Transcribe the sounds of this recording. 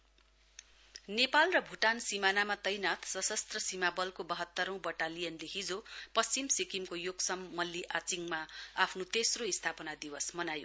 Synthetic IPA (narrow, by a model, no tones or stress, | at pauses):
nepalrʌbʱuʈansimanamat̪ʌjnat̪ʰsʌsʌst̪rʌsimabʌlkobʌɦʌt̪ːʌɾʌ̃w̃bʌʈalijʌnleɦid͡zopʌst͡simsikimkojoɡsʌmːʌlːiʔat͡siŋmaapʰnot̪esroist̪ʰapʌnad̪iwʌsmʌnajo̰